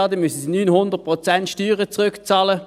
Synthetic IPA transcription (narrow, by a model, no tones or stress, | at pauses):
ɑdəmysn̩sinyːnhʊndəʁt̚pʁot͡sɛntʃtyːʁət͡sʁøkt͡sɑːlə